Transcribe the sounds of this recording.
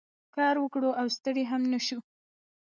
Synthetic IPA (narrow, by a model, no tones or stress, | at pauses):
kɑɾwəkɽoʔawst̪əɽeɦamnəʃu